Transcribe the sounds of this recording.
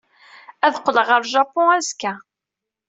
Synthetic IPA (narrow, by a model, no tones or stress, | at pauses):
æðqːləʁəɾʒɑpːɔ̃æzkæ